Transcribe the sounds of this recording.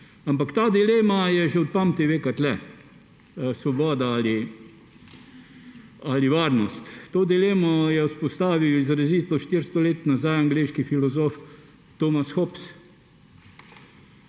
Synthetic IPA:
ampakt̪aːd̪ileːmajɛʒɛɔt̪̚pam̚t̪eʋeːkat̪lɛ | sʋɔbɔːd̪aali | aliʋaːɾnɔst̪ːoːd̪ileːmɔjɛwspɔst̪aːʋiwizɾɛziːt̪ɔʃt̪iɾst̪ɔleːt̪nazajaŋɡleːʃkifilɔzoːf | t̪oːmasxɔps

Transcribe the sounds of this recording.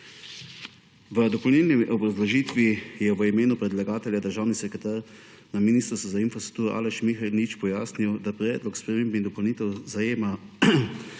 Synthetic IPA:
ʋəd̪ɔpɔwlnʲɛːlniʔɔbɾazlɔʒiːt̪ʋijɛʋəimeːnupɾɛd̪laɡaːt̪ɛljad̪əɾʒaːwnisɛkɾɛt̪aɾ | naminiːst̪ɾst̪uzainfɾast̪ɾuk̚t̪uːɾɔʔa̰ːlɛʃmixailnit͡ʃpɔjaːsniwd̪apɾɛːd̪lɔkspɾɛmeːmbnid̪ɔpɔwniːt̪ɛwzajeːma

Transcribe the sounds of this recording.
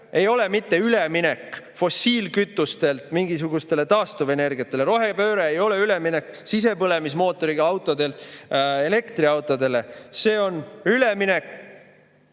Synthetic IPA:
e̞jo̞le̞mit̪ːe̞yleminekː | fo̞sːiːlkyt̪ːˑust̪e̞lt̪miŋɡ̥is̬uɡust̪e̞le̞t̪ɑːst̪uve̞ne̞rɡiɑt̪ːˑe̞leɾo̞ɦe̞pø̞ːɾeːjo̞le̞yleminekːsis̬e̞pɤle̞mismo̞ːt̪ːˑo̞ɾiɡ̥ɑɑwt̪ːˑod̪e̞lt̪ˑe̞le̞kt̪riɑwt̪ːˑo̞d̪e̞le̞se̞ːo̞nyleminek

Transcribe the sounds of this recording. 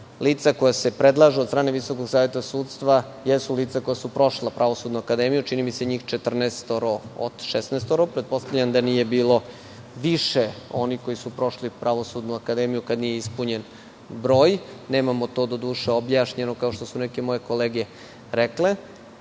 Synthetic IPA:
liːt̪sako̞jase̞pɾed̪lˠaʒed̪st̪ɾaːne̞ʋiso̞koɡsaːʋje̞t̪asuːt̪st̪ʋa | jesuliːt̪sako̞jasupɾo̞ʃlapɾaʋosud̪nuakad̪emijut͡ʃinimise̞ɲiːxt͡ʃet̪r̩nest̪oɾoo̰d̪̥ʃesneːst̪oɾopɾet̪̚po̞st̪avʎʲand̪aniːje̞biːlo̞ | ʋiʃeo̞niko̞jisupɾo̞ʃlipɾaʋo̞sud̪nuakad̪emijukad̪nijeispuɲe̞n | bɾo̞ːjne̞ːmamo̞t̪o̞d̪o̞d̪uːʃeobjaːʃɲenokao̞ʃt̪o̞sune̞ke̞mo̞je̞ko̞leːɡe | ɾekle

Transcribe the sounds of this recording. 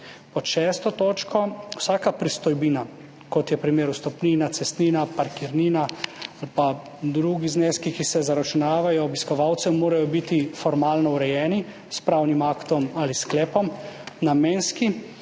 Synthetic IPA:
pɔʃɛst̪ɔt̪oːt͡ʃkɔwsaːkapɾist̪ɔjbiːna | kɔt̪jɛpɾimeːɾust̪ɔpniːnat̪sɛst̪niːnapaɾkiɾniːnaalpa | d̪ɾuɡizneskikisɛzaɾat͡ʃunaːʋajɔːbiskɔʋaw̪sɛmːoːɾajɔbit̪ifɔɾmaːlnɔuɾɛjɛːni | spɾawnimakt̪ɔmalisklɛːpɔmnameːnski

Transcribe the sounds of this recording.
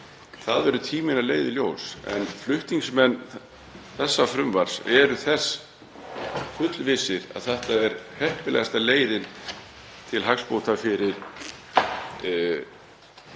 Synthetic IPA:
θaðvɛɾʏt̪ʰiːmɪnalḛːjðɪljoːwsɛ̰nflʏht̪niŋksmɛnː | θɛsːafɾʏmvaɾ̥sɛɾʏθɛsː | fʏt̪lvɪsɪɾa̰ðθɛht̪aɛɾhɛhpɪlɛ̰ɣast̪aleːjðɪn | t̪ʰɪlɦakspowt̪afɪɾɪɾ̥

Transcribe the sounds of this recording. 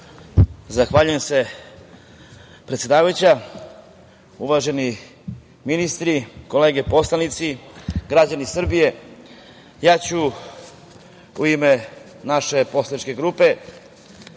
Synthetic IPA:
zaxʋaːʎujemse̞ | pɾet̪jed̪aːʋajut͡ɕa | uʋaʒe̞ni | minist̪ɾiko̞le̞ːɡe̞po̞slanit̪siɡɾad͡ʑanisr̩bije̞ | jaːt͡ɕu | uime̞ | naʃe̞po̞slˠanit͡ʃke̞ɡɾupe̞

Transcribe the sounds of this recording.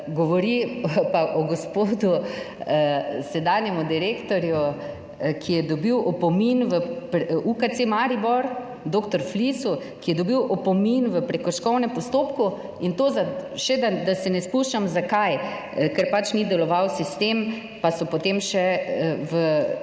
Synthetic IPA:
ɡɔʋɔɾipaʔɔɡɔspod̪u | sɛd̪anjɛmud̪iɾekt̪ɔɾju | kʰijɛd̪ɔbiwʔɔpɔminʋəpɾukat͡s̪emaɾibɔɾ | d̪oːkt̪ɔɾflisu | kijɛd̪ɔbiwʔɔpɔminʋəpɾɛkɔʃkɔwnɛmpɔst̪oːpku | int̪oːzaʃɛd̪ad̪asɛnɛspuʃamzakaj | kɛɾpat͡ʃnid̪ɛlɔʋawsist̪em | pasɔpot̪emʃɛʋə

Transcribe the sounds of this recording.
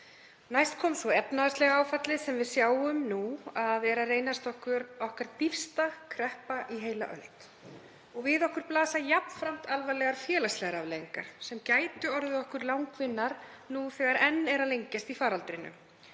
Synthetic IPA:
najst̪̚kʰɔːmsvɔɛpnaðast̪lɛɣaaːwfat̪lɪsɛmvɪðsjaːwʏmnuaðɛɾareːjnast̪ɔhkʏɾɔhkaɾ̥t̪ifst̪akʰɾɛhpaʔiɦeːjla̰ʔœ̰lt̪ | ɔɣvɪðɔhkʏɾ̥plaːsajapnfɾam̥t̪alvalɛɣaɾfjɛːlast̪lɛɣaɾavleːjiŋka̰ɾ̥sɛmcaːjt̪ʏɔɾðʏɔhkʏɾlawŋkvɪnːaɾ̥ | nuθɛɣaɾɛnːɛɾalejɲcast̪ifaːɾalt̪ɾɪnːʏ̰m

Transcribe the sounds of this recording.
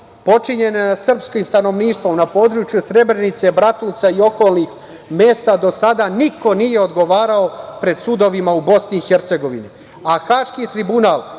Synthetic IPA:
po̞t͡ʃiɲe̞nesr̩pskiːmst̪ano̞ʋniːʃt̪ʋo̞mnapo̞ːd̪ɾut͡ʃjusɾe̞bɾe̞nit̪se̞bɾat̪uːt̪saio̞ko̞ːlˠnix | me̞ːst̪ad̪o̞sad̪aniko̞nije̞o̞d̪ɡo̞ʋaːɾao̞pɾe̞d̪sud̪o̞ʋimaubo̞sniːxe̞ɾt̪se̞ɡo̞ʋini | axaːʃkit̪ɾibunaːl

